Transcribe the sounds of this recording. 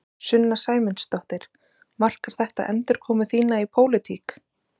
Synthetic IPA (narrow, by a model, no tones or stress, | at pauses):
sʏnːasaːjmɪnst̪ɔht̪ɪɾ̥ | mar̥kaɾ̥θɛht̪a̰ʔɛnt̪ɪɾ̥kʰɔːmʏθiːnaipʰoːwlɪt̪ʰiːk